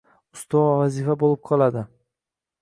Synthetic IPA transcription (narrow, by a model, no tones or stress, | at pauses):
ʊst̪ʰɒvazifabolɪp̚qʰɒlˠad̪ɪ